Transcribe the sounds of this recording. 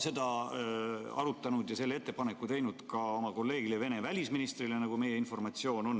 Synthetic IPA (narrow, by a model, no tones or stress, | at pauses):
se̞d̪ɑ | ɑ̰ɾut̪ːˑɑnud̪jɑse̞lːee̞t̪ːepɑnekːut̪e̞jnud̪̥kɑo̞mɑko̞lːe̞ːɡ̥ileve̞ne̞vælʲisminist̪rilenɑɡ̥ume̞jeinfo̞rmɑt̪sio̞ːno̞n